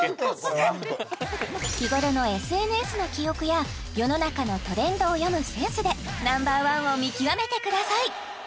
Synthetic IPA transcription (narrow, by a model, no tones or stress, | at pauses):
kʲiɡo̞ɾo̞no̞e̞sɨe̞nɯ̟e̞sɨno̞kʲio̞kɯ̟ja | jo̞no̞nakano̞t̪o̞ɾẽ̞nd̪o̞ːjo̞mɯ̟sẽ̞ɰ̃sɨd̪e̞nãmbaːβãɰ̃o̞mʲikʲiβame̞t̪e̞kɯ̟d̪asai